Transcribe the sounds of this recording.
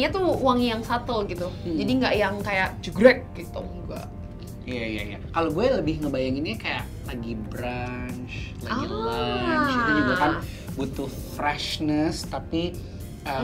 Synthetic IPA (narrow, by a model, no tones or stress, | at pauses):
ɲat̪uwaŋjaŋsat̪oɡit̪ud͡ʒadiŋɡaʔjaŋkajaʔd͡ʒuɡɾɛk̚ɡ̥it̪ṵ | ɡua̰ | ijaija̰ja̰kaloɡualəbɪhŋəbajaŋɪnɲakajaʔlaɡibɾant͡ʃ | laaɡiant͡ʃ̪iniɡuakan | but̪uhfɾɛʃnəst̪api | ʔə